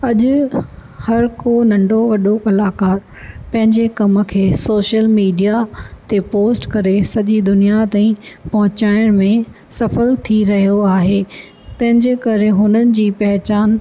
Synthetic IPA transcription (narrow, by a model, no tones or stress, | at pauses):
ɐʄʊ | hɐɾkonɐ̃ɳɖoʋɐɗoʔɐlaːkaːɾ | pɐ̃ɦɪ̃ɲd͡ʑekɐmə̆kʰeːsoːʃəlmiːɖijat̪epoːsʈkɐɾesɐʄid̪ʊnijat̪ãːĩpɐɦʊ̃t͡ɕaːɪɽ̃mẽ | sɐfəlt̪ʰiɾɐɦijoaːɦeː | t̪ɐ̃ɦɪ̃ɲd͡ʑeːkɐɾeɦʊnənɪ̆d͡ʑiːpɐɦɪt͡ɕaːn